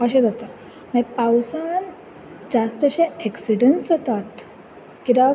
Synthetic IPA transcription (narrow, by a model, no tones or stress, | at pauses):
əɕed͡zat̪ə | mẽpawsan | d͡zast̪əɕeɛksiɖənsət̪at̪ | kiɾa